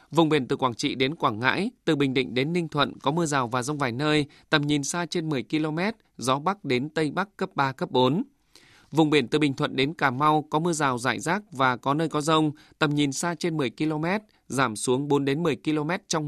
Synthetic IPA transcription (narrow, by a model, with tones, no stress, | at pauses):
vʊ˨˩ŋ͡mɓi˧˩ənt̪ɨ˨˩kwaː˧˩t͡ɕḭ˧˨ɗe˨˦nkwaː˧˩ŋŋa̰ː˧˥jt̪ɨ˨˩ɓï˨˩ŋ̟ɗḭ̈˧˨ŋ̟ɗe˨˦nːï˧ŋ̟t̪ʰwə̰˧˨nkɔ˨˦mɨ˧əzaː˨˩wvaː˨˩zə˧wŋ͡mvaː˨˩jnəː˧jt̪ə˨˩mɲi˨˩nsaː˧t͡ɕe˧nmɨ˨˩əjki˧lo˧mɛ˦˥t̚zɔ˨˦ɓa˦˥k̚ɗe˨˦nt̪ə˧jɓa˦˥kkːə˦˥p̚ɓaː˧kə˦˥p̚ɓo˨˦n | vʊ˨˩ŋ͡mɓi˧˩ənt̪ɨ˨˩ɓï˨˩ŋ̟t̪ʰwə̰˧˨nɗe˨˦nkaː˧˩ma˧wkɔ˨˦mɨ˧əzaː˨˩wzaː˧˩jzaː˦˥k̚vaː˨˩kɔ˨˦nəː˧jkɔ˨˦zə˧wŋ͡mt̪ə˨˩mɲi˨˩nsaː˧t͡ɕe˧nmɨ˨˩əjki˧lo˧mɛ˦˥t̚ | zaː˧˩msu˨˦əŋɓo˨˦nɗe˨˦nmɨ˨˩əjki˧lo˧mɛ˦˥t̚t͡ɕɔ˧ŋ͡m